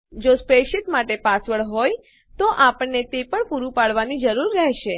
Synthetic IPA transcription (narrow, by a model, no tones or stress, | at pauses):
d͡ʒospeʃɪt̪maʈepasʋəɭɦoj | t̪oʔapəɳːet̪epəɳpuɾũpaɭʋanid͡ʒəɾuɾkɛɦʃe